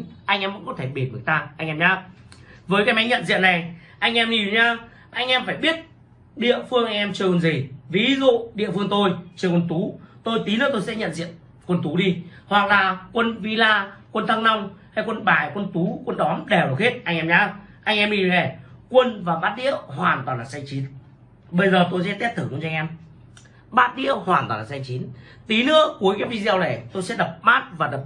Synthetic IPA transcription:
ʔa˧jŋ̟ʔɛː˧mvə̰˧˥ŋkɔ˨˦t̪ʰe˧˩ɓi˨˩t̚mɨ˨˩t̪aː˧ʔa˧ŋʔɛ˧mɲaː˧vəː˨˦jkaː˨˦jma˨˦jɲə̰˧˨nzḭ˧˨ənːa˨˩jʔa˧jŋ̟ʔɛ˧mni˧˩˨ɲaː˧ | ʔa˧jŋ̟ʔɛ˧mfaː˧˩jɓi˦˥ət̚ | ɗḭ˧˨əfɨ˧əŋʔa˧ŋ̟ʔɛ˧mt͡ɕɨ˧əkwə˧˩nzi˨˩vi˨˦zṵ˧˨ɗḭ˧˨əfɨ˧əŋt̪o˧jt͡ɕɨ˧kwə˧nt̪u˨˦t̪o˧jt̪i˨˦nə̰ː˧˥t̪o˧jsɛ̰˧˥ɲə̰˧˨nzḭ˧˨ən | kwə˧nt̪u˨˦ɗi˧hwa˨˩k̚laː˨˩kwə˧nvi˧laː˧kwə˧nt̪ʰa˧ŋna˧wŋ͡mha˧jkwə˧nɓaː˨˩jkwə˧nt̪u˨˦kwə˧nɗɔ˨˦mɗe˨˩˨o˨˩khe˦˥t̚ʔa˧jŋʔɛ˧mɲaː˧˦wʔa˧jŋ̟ʔɛ˧mi˧˨˩e˨˩kwə˧nvaː˨˩ɓaː˦˥t̚ɗḭ˧˥əwhwaː˨˩nt̪waː˨˩laː˨˩sa˧ŋt͡ɕi˨˦n | ɓə˧jzəː˨˩t̪o˧js̬ɛ̰˧˥t̪i˦˥t̚t̪ʰɨ˧˩ku˧˩˦t͡ɕa˧ŋ̟ʔɛ˧m | ɓaː˦˥t̚ɗḭ˧˥əwhwaː˨˩nt̪waː˨˩nla̰ː˨˩sa˧jŋt͡ɕi˨˦n | t̪i˨˦nɨ̰˧˥əku˨˦əjkaː˨˦jvi˧zi˧ə˧wle˨˩t̪o˧jsɛ̰˧˥ɗə˨˩p̚ɓaː˦˥t̚vaː˨˩ɗə˨˩p̚

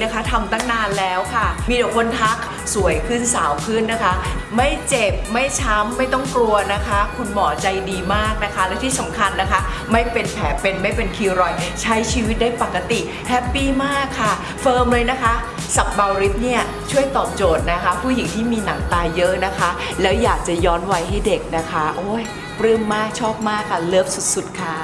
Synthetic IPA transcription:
a˦˥kʰa˦˥t̪ʰa˧mt̪aː˥˩ŋnaː˧nlɛː˦˥wkʰa˥˩miː˧do˨˩k̚ʰo˧nt̪ʰa˦˥k̚ | su˨˩˦əjkʰɯ˥˩nsaː˩˦wkʰɯ˥˩nːa˦˥kʰa˦˥ma˥˩jt͡ɕe˨˩p̚ma˥˩jt͡ɕʰa˦˥mːa˥˩jt̪ɔ˥˩ŋklu˧ɐna˦˥kʰa˦˥kʰu˧nmɔː˩˦t͡ɕa˧jdiː˧maː˥˩k̚na˦˥kʰa˦˥lɛː˦˥wt̪ʰiː˥˩sa˩˦mkʰa˧nːa˦˥kʰa˦˥ | ma˥˩jpe˧npʰɛː˩˦pe˧nma˥˩jpe˧nkʰiː˧ɾɔ˨˩jt͡ɕʰa˦˥jt͡ɕʰiː˧wi˦˥daː˥˩jpa˨˩kːa˧t̪i˨˩ | hʰɛ˦˥pːiː˥˩maː˥˩kʰːa˥˩ | fɤː˧mlɤː˧jna˦˥kʰa˦˥ | sa˨˩p̚ba˧wɾi˦˥t̪̚ni˥˩ɐ | t͡ɕʰu˥˩əjt̪ɔː˨˩p̚t͡ɕoː˨˩t̪̚na˦˥kʰa˦˥pʰuː˥˩ji˨˩˦ŋt̪ʰiː˥˩miː˧na˩˦ŋt̪aː˧jːɤ˦˥ʔna˦˥kʰa˦˥ | lɛː˦˥wjaː˨˩k̚t͡ɕa˨˩jɔː˦˥nwa˧jɦa˥˩jde˨˩k̚na˦˥kʰa˦˥ʔoː˧˥˩j | pɾɯː˥˩mːaː˥˩k̚t͡ɕʰɔː˥˩p̚maː˥˩kʰːa˥˩lɤ˥˩əp̚su˨˩t̪̚su˨˩t̪̚kʰa˥˩

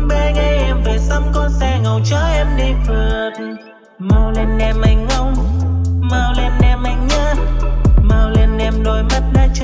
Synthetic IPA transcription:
ɓɛ˧ŋa˧jʔɛ˧mveː˨˩sa˧ŋ͡mkɔ˧nsɛ˧ŋə˨˩wt͡ɕɔ˧˦ʔɛ˧mɗi˧fə˨˩t̚ | maː˨˩wle˧nʔɛ˧mʔa˨˩jŋ̟ŋə˧w | maː˨˧˩wle˧nʔɛ˧˩mʔa˨˩jŋ̟ɲə˧ | maː˨˩wle˧nʔɛ˧mno˨˩jmə˦˥t̚naː˧t͡ɕ

